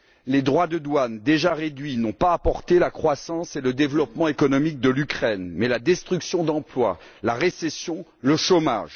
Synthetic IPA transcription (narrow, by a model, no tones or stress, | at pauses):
led̪ʁwad̪əd̪wand̪eʒaʁed̪ɥinɔ̃paːpɔʁt̪elakχwasɑ̃seləd̪evlɔpmɑ̃ekɔnɔmik̚d̪əlykχɛnmɛlad̪ɛst̪χyksjɔ̃d̪ɑ̃plwa̰ | laʁesɛsjɔ̃ləʃoma̰ʒ